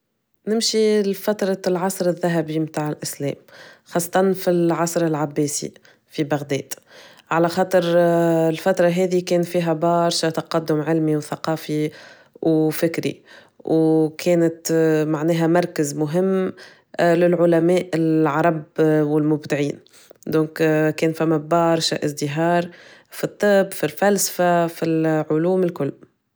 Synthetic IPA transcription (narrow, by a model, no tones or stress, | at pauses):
nɪmʃifæt̪ɾˤɑlʕɑsˤɾɪðːæɦæbimt̪aːʕɪlʔɪslɛ̰ːmxɑːsˤːɑ̥t̪ˤɑnfilʕɑsˤɾɪlʕabːɛːsḭ | fibaɣd̪ɛːd̪̥ | ʕalæxɑːt̪ˤɨɾlfæt̪ɾˤɑɦɛːðikɛːnfiːɦæbɑɾˤʃat̪ɑqɑd̪ːʊmʕɪlmiwθaqɑːfi | wfɪkɾḭ | wkʰɛːnɪt̪maʕnɛːɦæmɑɾˤkəzmʊɦɪmː | lɪlʕʊlæmɛːʔɪlʕɑɾˤɑbwɪlmʊbd̪ɪʕiːn | d̪ɔ̃ːŋkkɛːnfæmːæbɑɾˤʃaʔɪsd̪ɪɦɑːɾˤfit̪ˤːɨbːfilfælsfafilʕʊluːmɪlkʊlː